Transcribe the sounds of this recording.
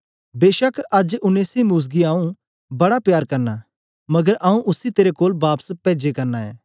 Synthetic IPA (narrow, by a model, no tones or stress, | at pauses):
beːʃəkɐd͡ʒʊneːsimuːs̬ɡiãːũ | bɐɽapjaːɾkɐɾna | mɐɡəɾaːũʔʊsit̪eːɾekoːlbaːpspɛːd͡ʒekɐɾnaɛ̰ː